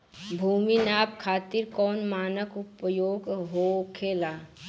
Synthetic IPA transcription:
bʱuːminaːp̚kʰaːt̪ɪɾkɔːnmaːnəkʊpjoːɡɦoːkʰeːlaː

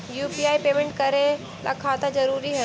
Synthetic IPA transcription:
juːpiaːipeːmẽɳʈkɐɾe | la̰kʰaːt̪azɐɾuːɾiɦɐ

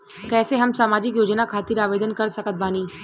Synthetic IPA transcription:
kɛːseɦɐmsaːmaːd͡ʒɪkjoːd͡ʒnakʰaːt̪iɾaːʋeːd̪ənkɐɾsɐkət̪̚baːniː

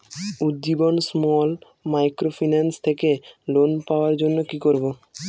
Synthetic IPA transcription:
ud̪ːibonsmɔl | majkɾofʰinanst̪ʰekelonpaoaɾd͡ʑonːokikoɾbo

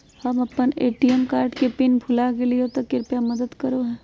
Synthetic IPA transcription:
hɐmɐpːəneːʈijɛmkaːɾɖkepɪnpʰʊlakeliot̪okːɪɾpjamɐd̪əd̪kɐɾoɦɛ̃ː

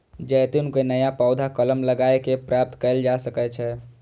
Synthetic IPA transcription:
d͡ʒəjt̪unkenəjapawd̪ʱakələmləɡaekepɾap̚t̪kəɪld͡ʒasəkɛt͡ʃʰɛ

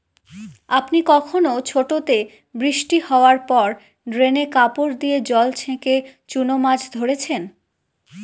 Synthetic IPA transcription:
apnikɔkʰonot͡ɕʰoʈot̪e | bɾiʃʈihɔoaɾpɔɾ | ɖɾenekapoɾd̪ied͡ʑɔlt͡ɕʰẽket͡ɕunomad͡ʑd̪ʱoɾet͡ɕʰen

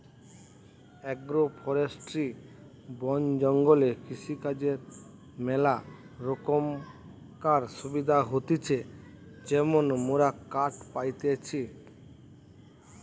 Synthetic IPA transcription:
ɛɡɾopʰɔɾesʈɾi | bɔnd͡ʑɔŋɡolekiʃikad͡ʑeɾ | mɛla | ɾokom | kaɾʃubid̪ʱaɦot̪it͡ɕʰe | d͡ʑemonmoɾakaʈpajt̪et͡ɕʰi

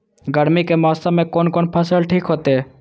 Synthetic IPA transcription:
ɡəɽmikemaːst̪amẽkoːnkoːnpʰəsəlʈʰiːkɦoːt̪eː

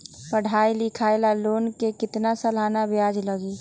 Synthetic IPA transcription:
pəɽ̤aːilɪkʰaelaloːnkekɪt̪nasəlanabjad͡ʒləɡe

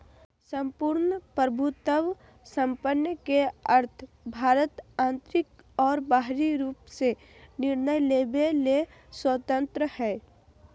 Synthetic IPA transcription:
sə̃mpuɾnəpɾəbʱut̪əʋ | sə̃mpənjəkeəɾt̪ʰ | bʱaːɾət̪ãːnt̪ɾɪk | ɔːɾbaːɦɾiɾuːpse | nɪɾnəjleːbele | swət̪ə̃nt̪ɾəhɛː

